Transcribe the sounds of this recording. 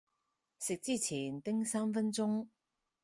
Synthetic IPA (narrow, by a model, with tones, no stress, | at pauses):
sɪ˨k̚t͡siː˥t͡sʰiː˨˩nt̪ɪ˥ŋsaː˥mfɐ˥nt͡sʊ˥ŋ